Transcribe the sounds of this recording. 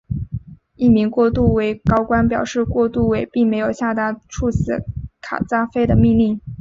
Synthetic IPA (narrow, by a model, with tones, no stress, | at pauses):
i˥˩mi˧˥ŋkwɔ˥˧t̪u˥˩we˧˥ɪkɑ˥ʊkwa˥npjɑ˨˩ʊʂɻ̩˥˧kwɔ˥˧t̪u˥˩we˨˩ɪpi˥˩ŋme˧˥ɪjo˨˩ʊɕja˥˧t̪a˥ʈ͡ʂʰu˥˩sɹ̩˧˨˥kʰa̰˨˩t͡sa˥fe˥ɪd̪ə˨mi˥˧ŋli˥˩ŋ